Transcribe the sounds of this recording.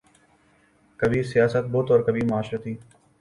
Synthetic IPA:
kəbʱiːsɪjaːsət̪̚bʊt̪ɔːɾkəbimʊaːʃɾət̪iː

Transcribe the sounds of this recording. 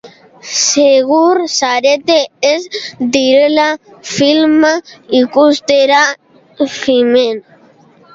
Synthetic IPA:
seɣuɾsaɾet̪eezd̪iɾelafilmaikust̪eɾa | fimen

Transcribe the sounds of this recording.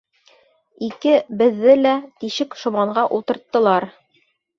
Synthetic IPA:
ikɘbɘ̆ðːɘlæt̪iʃɘkʃŏmɑɴɢɑʔulˠt̪ɤ̆ɾt̪ːɤ̆lˠɑɾ

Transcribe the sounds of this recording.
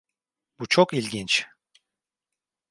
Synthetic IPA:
b̥ut͡ʃʰokilʲɟint͡ʃ

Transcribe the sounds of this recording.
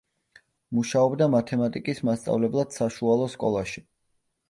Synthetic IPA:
muʃaɔbd̪amat̪ʰɛmat̪ʼikʼismast̪sʼa̰vlɛblˠad̪̥saʃualˠɔskʼɔlˠaʃi

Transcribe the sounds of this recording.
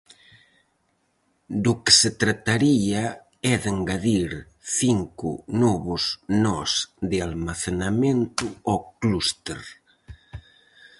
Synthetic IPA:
d̪ʊkɪ̥set̪ɾat̪aɾia | ɛðeŋɡaðiɾ | θiŋkʊ̰nɔβʊznɔsd̪ɪalmaθenamẽnt̪ʊɔklust̪ḛɾ

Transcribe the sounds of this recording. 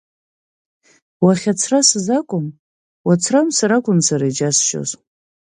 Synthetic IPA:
waχʲat͡sʰrasɨzakʷʼʊm | wat͡sʰramsaɾakʷʼʊnsʰaɾaid͡ʒasʃo̰z

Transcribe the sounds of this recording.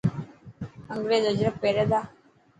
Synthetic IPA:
əŋɡɾeːzəd͡ʒɾəpːeːɾed̪aː

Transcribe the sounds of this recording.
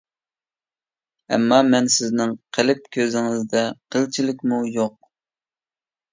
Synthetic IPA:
ɛ̰mːɑmɛnsɪznɪŋqʰəlɪp̚kʲʰøzɪŋɪzd̪ɛqʰəlt͡ʃʰilɪkʲmujoq̚

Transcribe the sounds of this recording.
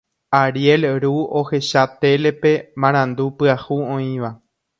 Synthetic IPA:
aɾje̞lɾuo̞he̞ʃat̪e̞lepe̞mãɾ̃ãnd̪upɨahuõĩʋa

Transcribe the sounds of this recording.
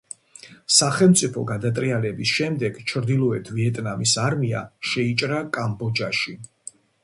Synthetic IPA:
saχɛlˠmt̪sʼipʰɔɡad̪at̪ʼɾialɛbisʃɛmd̪ɛɡ̥t͡ʃʰɾd̪ilˠɔɛt̪ʰviɛt̪ʼnamisaɾmia̰ʃɛit͡ʃʼɾakʼambɔd͡ʒaʃi

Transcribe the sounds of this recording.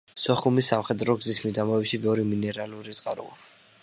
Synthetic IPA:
sɔχumisːamχɛd̪ɾɔɡzismid̪amɔɛbʃimɛvɾiminɛɾaluɾit̪sʼqʼaɾṵa

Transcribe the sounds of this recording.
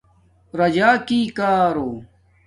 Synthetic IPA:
ɾɐd͡ʑaːkiːkaːɾoː

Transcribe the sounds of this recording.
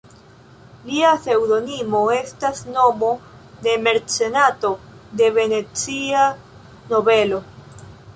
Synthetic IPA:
liase̞wdo̞nimo̞e̞stasno̞mo̞ | de̞me̞ɾt͡se̞nato̞ | de̞ve̞ne̞t͡sia | no̞be̞lo̞

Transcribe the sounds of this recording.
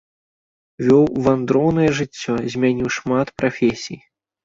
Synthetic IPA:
vʲɔwvand̪ɾɔwnɐjɛʐɨt͡sʲːɔzʲmʲanʲiwʂmat̪pɾafʲesʲij

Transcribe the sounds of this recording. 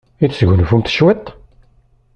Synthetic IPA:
iθsɡʷənfumt̪ʃwæt̪ː

